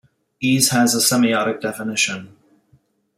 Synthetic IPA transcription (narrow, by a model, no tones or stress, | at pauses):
iz̥həzəsɛmiɑɾɪk̚d̥ɛfɪnɪʃə̃n